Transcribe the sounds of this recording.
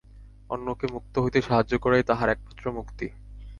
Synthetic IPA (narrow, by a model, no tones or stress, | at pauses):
ɔnːokemuk̚t̪oɦojt̪eʃaɦad͡ʑːokɔɾet̪aɦaɾɛk̚mat̪ːɾomukt̪i